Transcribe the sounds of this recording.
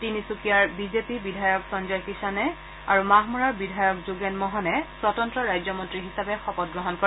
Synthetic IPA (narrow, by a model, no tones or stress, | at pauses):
tinisukijaɹbizepibidʱajɔksɔnzɔjkisanɛ | a̰ɹumaɦmuɹaɹbidʱajɔkzuɡɛnmɔɦɔnɛswɔtɔntɹɔɹajzɔmɔntɹiɦisabɛxɔpɔt̚ɡɹɔɦɔnkɔ